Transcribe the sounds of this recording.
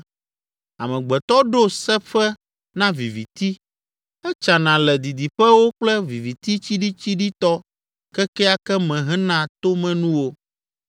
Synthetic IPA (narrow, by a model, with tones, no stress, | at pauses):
a̰˨mɛ̃˨ɡ͡bɛ˨t̪ɔ˦ɖo˦sɛ˦ɸɛ˦ | nã˦vi˨vi˨t̪i˦ | ɛ˦t͡ʃa˨nã˨lɛ˨d̪i˨d̪i˨ɸɛ˦wo˦k͡plɛ˦vi˨vi˨t̪i˦t͡ɕi˦ɖi˦t͡ɕi˦ɖi˦t̪ɔ˦ | kɛ˦kɛ˦a˦kɛ˦mɛ̃˨ɦɛ̃˦nã˨t̪o˦mɛ̃˦nũ˦wo˦